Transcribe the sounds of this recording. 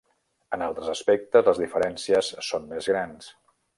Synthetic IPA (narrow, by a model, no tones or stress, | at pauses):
ənalˠt̪ɾəzəspɛk̚t̪əzləzðifəɾɛnsiəsːonmezɣɾans